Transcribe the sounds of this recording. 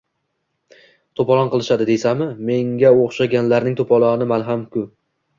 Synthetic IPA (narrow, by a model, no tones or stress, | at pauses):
t̪ʰopɒlˠɒnqɨlˠɪʃad̪ɪd̪e̞samɪme̞ŋɡʲaoχʃaɡʲanlaɾnɪŋt̪ʰopʰɒlˠɒnɪmalɦamkʰʊ